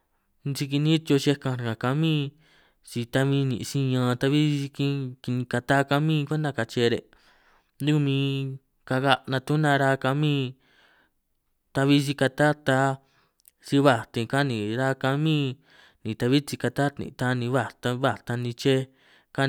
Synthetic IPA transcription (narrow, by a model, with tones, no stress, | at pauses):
nt͡ʃi˧ki˧nĩ˦t̪jo˧ʃe˧kã˧˨ã˨ka˧mĩ˦ | t͡ʃi˧t̪a˦mĩ˧˦nḭ̃˨ʔsĩ˦˧ɲã˧t̪a˧βi˦˧˦i˧kĩ˧ki˧nĩ˧ka˧t̪a˦ka˧mĩ˦˧kʷe˦nã˧ka˧t͡ʃe˧ɾḛ˨ | d̪u˦ku˧mĩ˧ | ka˧ɣa˧nã˧t̪u˦nã˧ɾa˦ka˧mĩ˦ | t̪a˧βi˦s̬i˧ka˧t̪a˦t̪a˧˦ | t͡ʃi˧βa˧˨t̪ĩ˧ka˦nĩ˨ɾa˦ka˧mĩː˦ | nĩ˨t̪a˧βi˦t͡ʃi˧ka˧t̪a˦t̪nḭ̃˨˧t̪a˦nĩ˧βa˧˨t̪a˧βa˦˧˨t̪a˧nĩ˧t͡ʃe˦ | ka˦